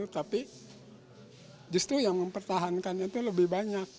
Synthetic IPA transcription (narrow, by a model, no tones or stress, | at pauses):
ut̪api | d͡ʒust̪ɾujaŋməmpərt̪aɦankanit̪uləbɪhbaɲak̚